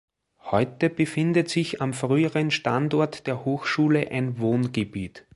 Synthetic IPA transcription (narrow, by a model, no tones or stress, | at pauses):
hɔʏtəb̥əfɪndətsɪçamfʁyːəʁənʃtandɔɐtd̥eːɐhoːxʃuːləʔæɪnvoːnɡəbiːt